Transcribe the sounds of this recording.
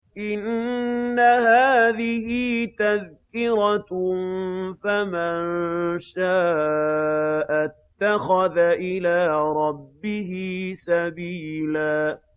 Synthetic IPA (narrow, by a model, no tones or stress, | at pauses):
ʔɪnː | ahaːðɪhɪt̪aðkɪɾa | famannʃaː | ʔat̪ːaxaðaʔɪlaːɾˤɑbːɪɦɪsabiːlaː